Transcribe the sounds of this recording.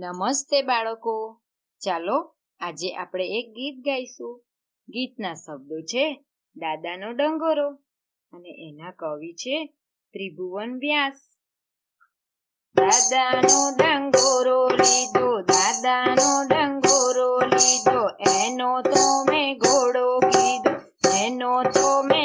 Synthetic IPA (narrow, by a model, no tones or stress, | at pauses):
nəməst̪ebaɭəko | t͡ʃalo | ad͡ʒeʔa̰pɽ̃eek̚ɡit̪̚ɡʱaisũ | ɡit̪̚nasəb̚d̪ot͡ʃʰe | d̪ad̪anoɖəŋɡoɾo | əneʔenakəʋit͡ʃʰe | pɾibʱuʋənbjas | d̪ad̪anoɖəŋɡoɾolid̪od̪ad̪anoɖəŋɡoɾolid̪oʔenot̪omeɡʱoɽoɡid̪o | ɛnot̪ome